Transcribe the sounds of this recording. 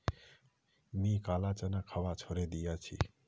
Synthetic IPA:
mikalat͡ʃənakʰaʋat͡ʃʰoɾed̪ijat͡ʃʰḭ

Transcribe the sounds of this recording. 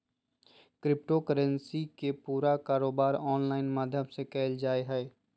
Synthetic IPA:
kɾɪp̚ʈokəɾə̃nsikepuːɾakaːɾoːbaːɾɔːnlaːɪnmaːd̪ʱjəmsekɛːld͡ʒaːeɦɛː

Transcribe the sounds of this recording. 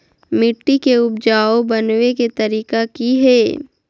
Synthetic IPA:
mɪʈːikeʊbd͡ʒaːobɐnweket̪ɐɾiːkakiɦɛː

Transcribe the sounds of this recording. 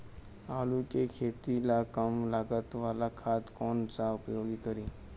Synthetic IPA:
aːlukekʰeːt̪ilakəmlaːɡət̪ʋaːlakʰat̪koːnsaʊpjoːɡikəɾiː

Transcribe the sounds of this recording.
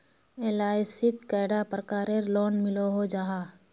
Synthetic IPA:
eːlaːɪsɪt̪kaːɖapɾəkaːɾeɾlɔːnmɪloɦod͡ʒaːɦaː

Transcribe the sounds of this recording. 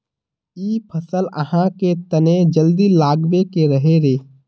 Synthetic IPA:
iːpʰɐsələ̰hãket̪ənẽd͡ʒəld̪ilaːɡbekeɾɐɦeɾeː

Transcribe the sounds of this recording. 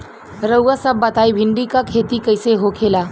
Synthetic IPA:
ɾəwʋasabːət̪ajbʱiɳɖikakʰet̪iːkəjseɦokʰela

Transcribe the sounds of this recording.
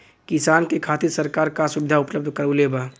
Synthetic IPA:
kɪsaːnkekʰaːt̪isəɾkaːɾkasʊbɪd̪ʱaʊpləb̚d̪ʱkəɾoleba

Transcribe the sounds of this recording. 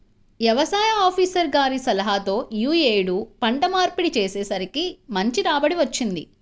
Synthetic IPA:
ʋjɐʋɐsaːjɐaːpʰiːsɐɾɡaːɾisɐlɐɦat̪o̞ːjuːeːjɽupɐɳʈɐmaːɾpiɽit͡ʃeːseːsɐɾikimɐɲt͡ʃiɾaːbɐɽiʋɐt͡ʃːind̪ḭ

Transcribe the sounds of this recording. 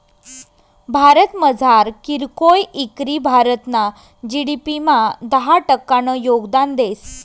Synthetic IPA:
bʱaɾət̪məd͡zʱaɾkiɾkojikɾibʱaɾət̪na | d͡ʑiɽipimad̪əɦaʈəkːaɽ̃əjoɡd̪and̪es

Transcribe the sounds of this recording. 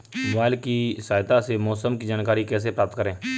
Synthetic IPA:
aːɪlkisaːjt̪asemɔːsəmkid͡ʒaːnkaːɾikɛːs̬epɾaːp̚t̪kəɾẽː

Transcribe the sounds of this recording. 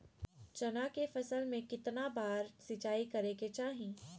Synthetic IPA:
t͡ʃɐnakefɐsəlmẽkɪt̪nabaːɾsɪt͡ʃaːikɐɾeket͡ʃaːɦĩː

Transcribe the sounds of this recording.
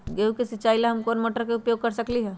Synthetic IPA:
ɡeukesit͡ʃaːilaɦɐmkoːnmoʈɾəkeʊpjoːɡ̚kɐɾsəkliɦɛː

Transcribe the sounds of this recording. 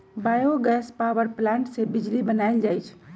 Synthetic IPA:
bajoɡɛspawəɾplãɳʈsebid͡ʒlibənaɪld͡ʒajt͡ʃʰ

